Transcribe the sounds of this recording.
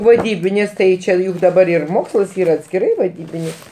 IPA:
ʋɐˈdʲiːbʲɪnʲɪs ˈtɐɪ ˈt͡ʃʲeː jʊk dɐˈbɐr ɪr ˈmoːkslˠɐs ˈiːrɐ ɐtʲsʲkʲɪˈrɐɪ ʋɐˈdʲiːbʲɪnʲɪs

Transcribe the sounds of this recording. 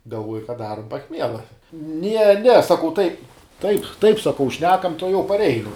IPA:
ɡɐlˠˈʋuɔjɛ kɐ ˈdɑːrʊm pɐˈxʲmʲiɛlˠɐ nʲɛ nʲɛ sɐˈkɐʊ tɐɪ tɐɪp tɐɪp sɐˈkɐʊ ˈʃʲnʲæːkɐm tuɔˈjɛʊ pɐrʲˈɛɪnʊ

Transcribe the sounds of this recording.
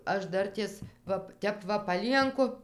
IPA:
ˈɐʃ ˈdɐrʲtʲeːs ˈʋɐ ˈtʲɛp ʋɐ pɐˈlʲiɛŋkʊ

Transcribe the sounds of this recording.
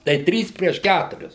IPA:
tɐɪ ˈtʲrʲiːs pʲrʲiɛʃ ˈkʲætʊrʲɪs

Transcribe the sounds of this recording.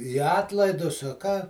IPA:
ɪ ˈɑːtlˠɐɪdʊs ɐ ˈkɑː

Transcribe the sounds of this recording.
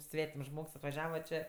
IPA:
ˈsʲʋʲæːtʲɪms ˈʒmoːks ɐtʋɐˈʒʲæːʋɐ t͡ʃʲeː

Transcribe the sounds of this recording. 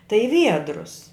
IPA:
tɐɪ ɪ ˈʋʲiɛdrʊs

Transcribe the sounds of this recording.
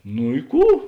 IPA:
nʊ ɪ ˈkuː

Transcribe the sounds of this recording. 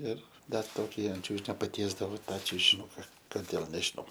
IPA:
ˈɪr ˈdɐr ˈtoːkʲɪ ɐnt ˈt͡ʃʲuːʒʲɪnʲoː pɐˈtʲiɛzdɐʋoː ˈtɑː t͡ʃʲʊʒʲɪˈnʊkɐ koːˈdʲeːlˠ nʲɛʒʲɪˈnɐʊ

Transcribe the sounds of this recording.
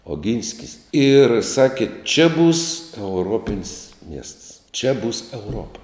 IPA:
oːˈɡʲɪnʲsʲkʲɪs ɪr ˈsɑːkʲeː t͡ʃʲɛ buːs ɛʊˈroːpʲɪnʲsʲ mʲiɛsts t͡ʃʲɛ buːs ɛʊˈroːpɐ

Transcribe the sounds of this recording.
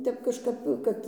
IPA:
ˈtʲɛp kɐʃˈkɐp ˈkɐt

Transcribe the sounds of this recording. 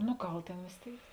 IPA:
nʊ ˈɡɐlˠ ˈtʲeːn ʋʲeːs ˈtʲeːɪk

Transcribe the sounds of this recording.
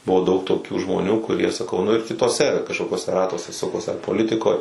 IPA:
ˈbʊʋoː dɐʊk toːˈkʲuː ʒmoːˈnʲuː kʊˈrʲiɛ sɐˈkɐʊ nʊ ɪr kʲɪtuɔˈsʲɛ kɐʃkoːkʲuɔˈsʲɛ ˈrɑːtuɔsʲɛ ˈsʊkoːs ɐr poːˈlʲɪtʲɪkoːj

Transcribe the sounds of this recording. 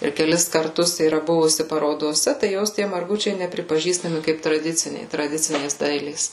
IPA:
ɪr kʲɛˈlʲɪs kɐrˈtʊs iːˈrɐ ˈbʊʋʊsʲɪ pɐroːdoːˈsʲɛ tɐɪ ˈjoːs ˈtʲiɛ mɐrˈɡʊt͡ʃʲɛɪ nʲɛpʲrʲɪpɐˈʒʲiːstɐmʲɪ ˈkɐɪp trɐˈdʲɪt͡sʲɪnʲɛɪ trɐˈdʲɪt͡sʲɪnʲeːs ˈdɐɪlʲeːs

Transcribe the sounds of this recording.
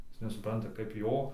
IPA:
ˈjɪs nʲɛsʊˈprɐntɐ kɐɪp ˈjoː

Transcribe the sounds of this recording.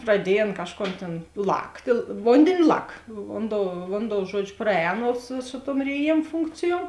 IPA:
prɐˈdʲiɛj ˈɐn ˈkɑːʃˌkoːn tʲeːn ˈlˠɑːktʲeː ˈʋoːnʲdʲeːnʲɪ ˈlˠɐk ˈʋoːnˌdoːʊ ˈʋoːnˌdoːʊ ˈʒuɔd͡ʒʲʊ ˈprɑːˌɛːnoː sʊ sʊ tuɔm rʲeːˈjeːm ˈfʊŋkt͡sʲɪjuɔm

